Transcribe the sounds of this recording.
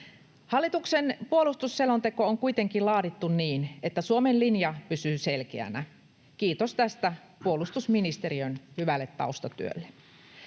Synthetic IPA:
hɑlːit̪uksenpuolust̪usːelo̞nt̪e̞ko̞oŋkuijt̪e̞ŋkillɑːdit̪ːunniːnet̪ːæsuomenlinjɑpysyːse̞lkeæ̰næ | kiːt̪ost̪æst̪æ | puolust̪usminist̪e̞ɾiønhyʋælːet̪ːɑ̰ust̪ɑt̪yø̰lːe

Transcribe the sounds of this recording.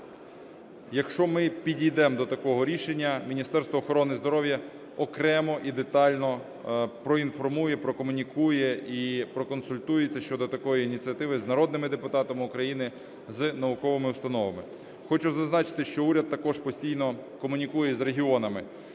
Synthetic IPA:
jɐkʃt͡ʃɔmɪpʲidʲijd̪ɛmd̪ɔt̪ɐkɔɦɔɾʲiʃenʲːɐmʲinʲist̪ɛrst̪ʋɔːxɔɾɔnɪzd̪ɔɾɔʋjɐ | ɔkɾɛmɔʔid̪e̞t̪ɑlʲnɔ | pɾɔinfɔrmujɛpɾɔkɔmʊnʲikujɛipɾɔkɔnsʊlʲt̪ujet͡sʲːɐʃt͡ʃɔd̪ɔt̪ɐkɔjiːnʲit͡sʲiɐt̪ɪʋɪznɐɾɔd̪nɪmɪd̪epʊt̪ɑt̪ɐmɪʊkɾɐjinɪ | znɐʋʊkɔʋɪmɪust̪ɐnɔʋɐmɪ | xɔt͡ʃʊzɐznɑt͡ʃɪ̥t̪ɪʃt͡ʃɔuɾʲɐd̪̚tːɐkɔʃpɔsʲtʲijnɔkɔmʊnʲikujɛzɾeɦʲiɔnɐmɪ

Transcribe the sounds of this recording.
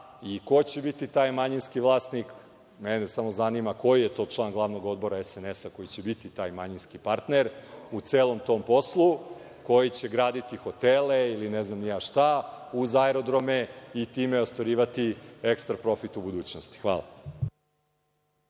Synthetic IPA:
iko̞t͡ɕe̞bit̪it̪aːjmaɲinskiʋlˠaːsnik | menesamo̞zanimako̞jije̞t̪o̞ːt͡ʃlˠaːnɡlˠaʋno̞ɡo̞d̪̚bo̞ɾaesenesako̞jit͡ɕe̞bit̪it̪aːjmaɲinskipaɾt̪neɾut̪seːlˠo̞mt̪o̞mpo̞slˠu | ko̞jit͡ɕe̞ɡɾaːd̪it̪ixo̞t̪eleilineznamnijaʃt̪auzaeɾo̞d̪ɾo̞meit̪iːmeo̞st̪ʋaɾiːʋat̪iekst̪ɾapɾo̞fit̪ubud̪uːt͡ɕnost̪i̥xʋa̰ːla̰

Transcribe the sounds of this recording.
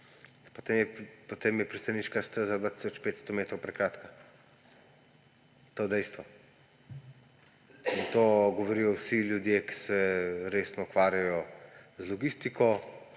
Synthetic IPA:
pot̪emjɛpot̪emjɛpɾist̪aniːt͡ʃkast̪əzad̪vaːt̪i̥sɔt͡ʃpeːt̪st̪ɔmeːt̪ɾowpɾɛkɾaːt̪ka | t̪od̪ɛjst̪ʋɔ | int̪oɡɔʋɔɾiːjɔwsilʲjud̪jeki̥sɛɾeːsnɔukʋaːɾjajɔzlɔɡist̪ikʰɔ

